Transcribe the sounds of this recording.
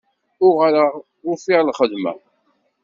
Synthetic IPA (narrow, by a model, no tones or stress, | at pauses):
ʊʁaɾəʁ | ʊɾfɪʁlχəd̪mæ̰